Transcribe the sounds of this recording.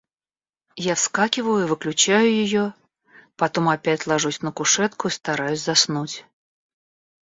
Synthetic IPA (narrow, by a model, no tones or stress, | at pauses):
jafskakʲɪvəjʊivɨklʲʉt͡ɕæjʊjɪjo | pɐt̪o̞mɐpʲætʲlˠɐʐusʲnəkʊʂɛt̪kʊist̪ɐɾajʊsʲzɐsnutʲ